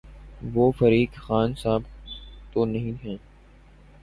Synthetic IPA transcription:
ʋoːfəɾiːkxaːnsaːbt̪oːnɐɦĩɦɛ̃ː

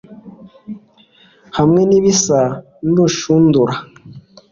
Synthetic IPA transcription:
hamŋeniβisa | nduʃunduɾa

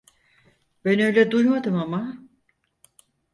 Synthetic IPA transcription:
b̥ɛnø̞jlʲɛd̪ujmad̪ɯmama

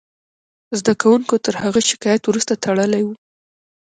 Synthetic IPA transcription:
zd̪akawuŋkot̪əɾhaɣəʃɪ̥kɑjat̪wɾust̪at̪ʰaɽəlajwu

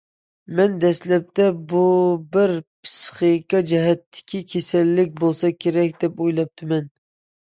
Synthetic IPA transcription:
mɛnd̪ɛslɛp̚t̪ʰɛbubɪɾpʰɨ̥sχikɑd͡ʒɛɦɛt̪ʰːɪ̥kʲʰikʲʰesɛlːɪk̚ʲbolˠsɑkʲʰeɾɛkʲd̪ɛpojlˠɑp̚t̪ʰɨmɛn

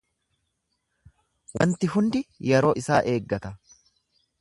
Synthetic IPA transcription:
wɐ̰nt̪ɪɦʊnd̪ɪjɛɾo̞ːʔɪsaːʔe̞ːɡːɐt̪ɐ

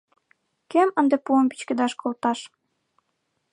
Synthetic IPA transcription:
kemənd̪epuəmbit͡ɕkĕd̪ɑʃkʰolt̪ɑʃ

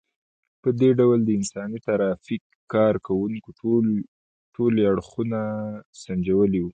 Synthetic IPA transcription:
pəd̪eɖawld̪əɪnsɑnit̪aɾɑfikː | ɑɾkawuŋko | ʈoleaɽxunasand͡ʒawəliwu

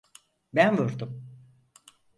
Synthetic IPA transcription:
bænvuɾd̪um

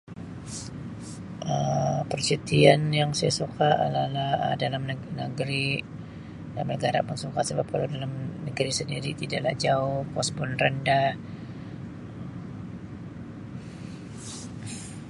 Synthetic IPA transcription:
ʔəpərt͡ʃət̪ianjaŋsajasukaʔlahlahə̰dalamnnəɡɾi | dalamnəɡaɾa̰pəŋsukasəbap̚kalawdalamnəɡɾisəndiɾit̪idaʔlahd͡ʒaʊhkɔspɔnrənda

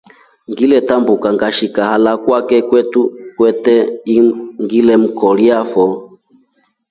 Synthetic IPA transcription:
ŋɡilɛtambukaŋɡaʃikahalakwakɛkwɛtukwɛtɛiŋɡilɛm̩kɔliafɔ

